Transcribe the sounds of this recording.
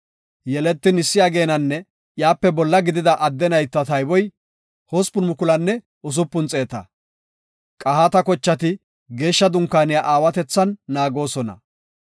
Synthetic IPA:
jɛlɛt̪ːɪnɪsːɪjaːɡe̞ːnɐnːɛ | jaːpːɛbɔlːɐɡɪd̪ɪd̪ɐʔɐd̪ːɛnɐjt̪ːɐt̪ɐjbɔj | hospʊnmʊkʊlɐnːɛ | ʊs̬ʊpːʊnt͡sʼe̞ːt̪ɐ̰ | kʼɐɦaːt̪ɐkɔt͡ʃːɐt̪ɪ | ɡe̞ːʃːɐd̪ʊŋkːaːnɪjaʔaːwɐt̪ɛt͡sːɐnːaːɡo̞ːsɔnɐ̰

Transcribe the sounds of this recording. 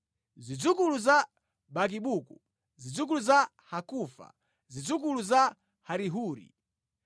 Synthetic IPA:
zid͡zukuluza | ɓak̬iɓuːku | zid͡zuk̬uluza | hakuːfa̰ | zid͡zuk̬uluza | haɾiɦuːɾḭ

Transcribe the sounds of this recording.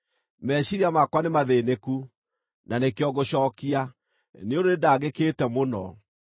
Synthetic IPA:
mɛɕiɾiamakwanemaðeneku | nanekeɔɣoɕɔːkia | neodoedaɣekeːtɛmonɔ̰

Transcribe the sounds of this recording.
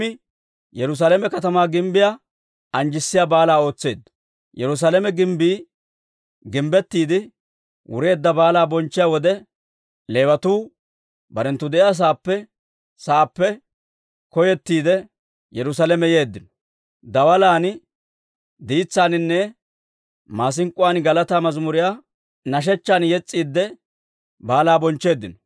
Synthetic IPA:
ɪ | jɛɾʊs̬aːlɛmɛkɐt̪ɐmaːɡɪmbɪja | ɐnd͡ʒɪsːɪjaːbaːlaːo̞ːt͡sːe̞ːd̪ːɐ̥ | jɛɾʊs̬aːlɛmɛɡɪmbiː | ɡɪmbɛt̪ːiːd̪ɪ | wʊ̰ɾe̞ːd̪ːɐbaːlaːbɔnt͡ʃːɪjaːwɔd̪ɛ | le̞ːwɐt̪uː | bɐɾɛnt̪ːʊd̪ɛʔɪjaːs̬aːpːɛ | saːpːɛ | kɔjɛt̪ːiːd̪ɛ | jɛɾʊs̬aːlɛmɛje̞ːd̪ːɪnɔ̥ | d̪ɐwɐlaːn | d̪iːt͡sːaːnɪnːɛ | maːs̬ɪŋkʼːʊwaːnɡɐlɐt̪aːmɐzmʊɾɪjaː | nɐʃ̬ɛt͡ʃːaːnjɛt͡sʼːiːd̪ːɛ | baːlaːbɔnt͡ʃːe̞ːd̪ːɪnɔ̥

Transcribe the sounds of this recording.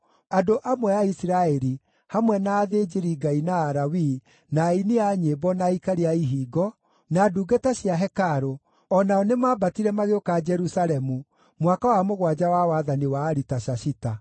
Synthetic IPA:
adoʔamwɛaisiɾaɛɾi | hamwɛnaːðed͡ʒeɾiɡainaːɾawi | naineaɲebɔnaikaɾeaiɦiːɡɔ | naduːɡetaɕjaɦɛkaɾo | ɔnaɔnemaːbatiɾɛmaɣeokad͡ʒɛɾusaɾɛmu | mwakawamoɣwad͡ʑawawaðaniwaːɾitaɕaɕita

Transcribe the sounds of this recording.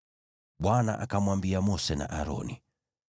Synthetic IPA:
ɓwana̰ʔakamwambiamɔsɛna̰ʔaɾɔ̰ni

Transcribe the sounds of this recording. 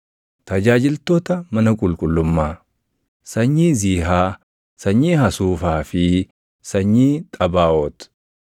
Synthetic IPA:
t̪ɐd͡ʒaːd͡ʒɪlt̪oːt̪ɐmɐnɐkʼʊlkʼʊlːʊmːaː | sɐɲːiːziːɦaː | sɐɲːiːɦɐsuːfaːfɪ | sɐɲːiːt̪ʼɐbaːʔot̪ʊ̥

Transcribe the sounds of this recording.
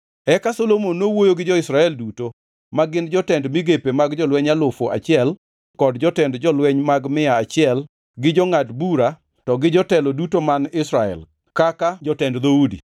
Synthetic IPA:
ɛkasolomonːowojoɡɪd͡ʒɔɪsɾaɛlduto | maɡɪnd͡ʒɔtɛndmiɡepemaɡd͡ʒɔlwɛɲalʊfoʔa̰t͡ʃɪɛl | kɔdd͡ʒɔtɛndd͡ʒɔlwɛɲmaɡmɪjaat͡ʃɪɛl | ɡɪd͡ʒɔŋatbuɾa | tɔɡɪd͡ʒɔtɛlodutomanɪsɾaɛ̰l | kakad͡ʒɔtɛndd̪oudḭ

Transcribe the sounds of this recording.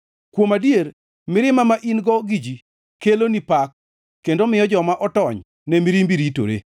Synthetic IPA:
kwomadjer | mɪɾɪmamaʔinɡɔɡid͡ʒi | kelonipakː | endomɪjɔd͡ʒɔmaʔɔtɔɲ | nɛmiɾimbiɾito̰ɾḛ

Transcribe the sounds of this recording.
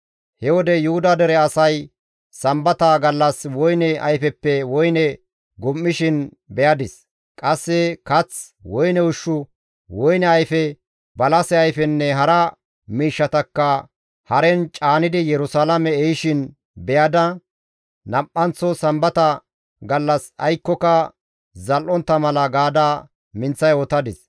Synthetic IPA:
hɛwɔd̪ɛjʊhʊd̪ɐd̪ɛɾɛɐsɐj | sɐmbɐt̪ɐɡɐlːɐswɔjnɛʔɐjfɛpːɛwɔjnɛ | ɡʊmːɪʃɪn | bɛjɐd̪ɪs | kʼɐsːɛkɐt͡s | wɔjnɛwʊʃːʊ | wɔjnɛɐjfɛ | bɐlɐsɛɐjfɛnːɛɦɐɾɐ | miːʃːɐt̪ɐkːɐ | hɐɾɛnt͡ʃʼaːnɪd̪ɪjɛɾʊsaːlɐmɛɛjʃɪn | bɛjɐd̪ɐ | nɐpʼːɐnt͡sːɔsɐmbɐt̪ɐ | ɡɐlːɐsɐjkːɔkɐ | zɐlʔɔnt̪ːɐmɐlɐɡaːd̪aː | mɪnt͡sːɐjɔt̪ɐd̪ɪs

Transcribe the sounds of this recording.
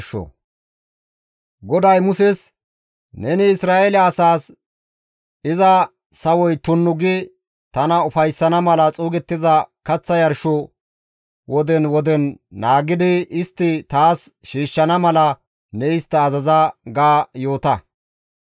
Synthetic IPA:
ʃɔ̰ | ɡɔd̪ɐjmʊsɛs | nɛnɪɪsɾaːelɐːsaːs | ɪzɐ | sɐwɔjt̪ʊnːʊɡɪ | t̪ɐnɐʊfɐjsːɐnɐmɐlɐt͡sʼuːɡɛt̪ːɪzɐkɐt͡sːɐjɐɾʃɔ | wʔɔd̪ɛnwɔd̪ɛnːaːɡɪd̪ɪɪst̪ːɪt̪aːsʃiːʃːɐnɐmɐlɐ | nɛɪst̪ːɐːzɐzɐɡaːjo̞ːt̪ɐ

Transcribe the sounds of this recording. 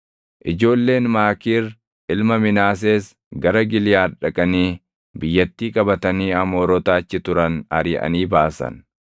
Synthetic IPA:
ʔɪd͡ʒo̞ːlːe̞ːnmaːkiːɾ | ʔɪlmɐmɪnaːs̬eːs | ɡɐɾɐɡɪlɪjaːᶑɐkʼɐniː | bɪjːɐt̪ːiːkʼɐbɐt̪ɐniːɐmo̞ːɾɔt̪aːt͡ʃːɪt̪ʊɾɐnɐɾɪʔɐ̰niːbaːsɐ̰n

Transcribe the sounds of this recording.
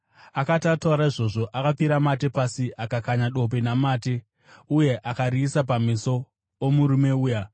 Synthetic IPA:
akatatauɾaiʐo̞ʐo̞ʔakap͡fiɾamate̞pasiʔakakaɲaɗo̞p̬enamaːte̞ | uje̞ʔakaɾiːsap̬amiso̞ː | muɾume̞uːja

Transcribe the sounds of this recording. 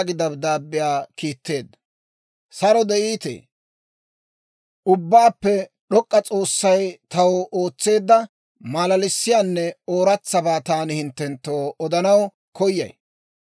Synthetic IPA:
ɡɪd̪ɐbd̪aːbːɪjaːkiːt̪ːe̞ːd̪ːɐ | sɐɾɔd̪ɛʔiːt̪ḛː | ʊbːaːpːɛ | ɗɔkʼːɐt͡sʼo̞ːsːɐjt̪ɐwo̞ːt͡sːe̞ːd̪ːɐ | maːlɐlɪsːɪjaːnːɛoːɾɐt͡sːɐbaːt̪aːnɪhɪnt̪ːɛnt̪ːoːɔd̪ɐnɐw | kɔjːɐ̰j

